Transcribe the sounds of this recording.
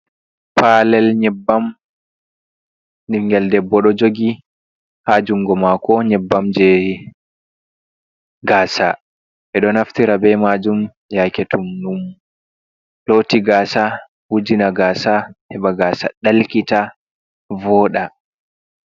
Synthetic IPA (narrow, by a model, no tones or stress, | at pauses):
palɛlɲɛbːam | ɗiŋɡɛldɛbːɔɗɔd͡ʒoɡi | had͡ʒuŋɡɔmakɔɲɛbːamd͡ʒɛ | ɡaːsa | ʔɛɗɔnaftiɾabɛmad͡ʒum | jaketumnum | lotiɡaːsa | hud͡ʒinaɡaːsahɛɓaɡaːsa̰ɗalkita | vɔːɗa